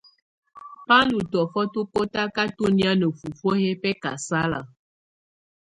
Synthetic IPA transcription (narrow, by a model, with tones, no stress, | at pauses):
pa˦lu˨tɔ˨fɔ˦tu˦ko˦ta˦ka˦tu˦ni˦a˦no˨fu˨fo˦he˦pɛ˦ka̰˨sa˦la̰˨